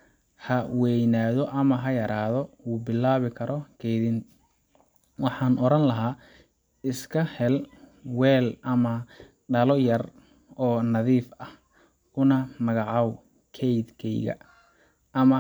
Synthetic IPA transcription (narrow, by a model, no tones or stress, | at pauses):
hɐwɛjnaːðɔʔɐmɐɦɐjɐɾʔaːðɔuːbɪlːaːβɪkʰɐɾʔɔkʰɛjðɪn | wɑħɑːnʔɔɾɐnlɐɦaː | ɪskʰɐhɛlwɛːlʔɐmɐ | ɖɐlɔjɐr | ɔːnɐðiːfɐhʰ | ʊnɐmɐɣɑʕɑw | kʰɛjd̪kʰɛjɣɐ̰ | ɐmɐ